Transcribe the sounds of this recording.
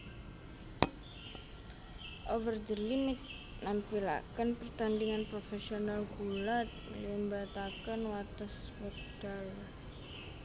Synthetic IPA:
ʔovərd͡ʒəlimit̪̚ | nampila̰kənpərt̪andiŋanpɾofesionalɡulat̪̚limbat̪akənwat̪ɔsbər | d̥aja

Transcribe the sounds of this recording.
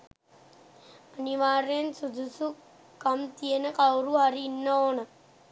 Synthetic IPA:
əniʋaːɾensud̪ʱusu | kɐmt̪ijenɐkawɾuaɾinːɐoːnɐ

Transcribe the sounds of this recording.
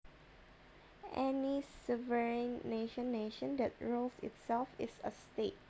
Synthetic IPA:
ʔɛnisuvəɹĩnːeʃə̃nːeʃə̃ndɛt̚ɹolsɪ̰tsɛlfɪsəstet̚

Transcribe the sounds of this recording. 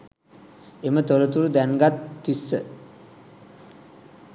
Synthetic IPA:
emət̪oɾət̪uɾud̪æŋɡat̪ːisːə̰

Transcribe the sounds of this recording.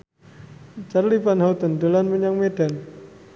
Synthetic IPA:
t͡ʃarlipanɦawt̪əndolanməɲaŋmeɖ̥an

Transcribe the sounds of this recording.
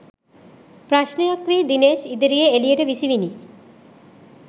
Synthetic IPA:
pɾaʃnejakʋid̪ineʃid̪əɾijeelijeʈəʋisiʋini

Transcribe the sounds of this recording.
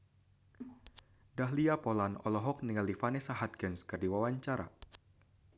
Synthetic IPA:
daɦliapɔlanɔ̰lɔɦɔk̚niŋalifanɛsaɦat̪̚kɛnskɨrdiwawaɲt͡ʃaɾa̰

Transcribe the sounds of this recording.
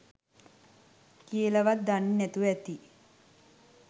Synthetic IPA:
kiəlaʋat̪̚d̪annæt̪uʋɛt̪i

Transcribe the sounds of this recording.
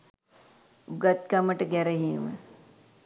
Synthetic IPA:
uɡat̪̚kaməʈəɡɛɾəɦiəmə̰

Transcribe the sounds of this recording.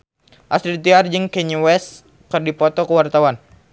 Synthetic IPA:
ʔasɾit̪iard͡ʒɨŋkɛɲiwɛs | kɨrdipɔt̪ɔkəwart̪awan

